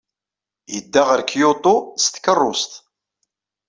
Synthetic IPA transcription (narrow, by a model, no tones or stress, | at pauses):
jəd̪ːaʁəɾkjʊt̪ˤost̪kərˤːost̪